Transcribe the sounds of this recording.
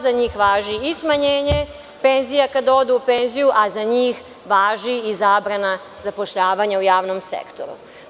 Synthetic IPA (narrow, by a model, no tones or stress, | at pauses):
zaɲiːxʋaːʒiismaɲeːɲe | pe̞nzijakad̪ao̞d̪uupe̞nzijuʔazaɲiːx | ʋaːʒiizaːbɾana | zapo̞ʃʎaːʋaɲaujaːʋno̞msḛkt̪o̰ɾṵ